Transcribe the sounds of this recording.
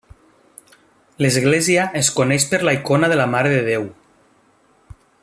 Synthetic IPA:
lezɣleziaeskoneʃpəɾlaikonaðəlamaɾeðeðew

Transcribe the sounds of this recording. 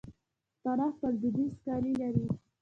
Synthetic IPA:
t̪aɾɑxt̪ald̪id̪iskɑɾilaɾi

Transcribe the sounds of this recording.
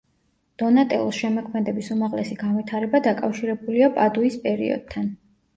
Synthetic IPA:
d̪̥ɔnat̪ʼɛ̰lˠɔsʃɛmɔkʰmɛd̪ɛbisumaʁlɛsiɡanvit̪ʰaɾɛbad̪akʼafʃiɾɛbuliapʼad̪uispʼɛɾḭɔ̰d̪̥̚t̪ʰːan

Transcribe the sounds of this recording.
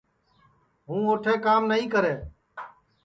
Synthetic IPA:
ɦũːoːʈʰeːkaːmnəɦĩːkəɾeː

